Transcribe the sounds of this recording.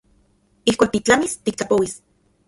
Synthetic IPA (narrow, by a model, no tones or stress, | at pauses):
ihkʷaːk̚t̪it͡ɬamist̪ik̚t͡ɬapowis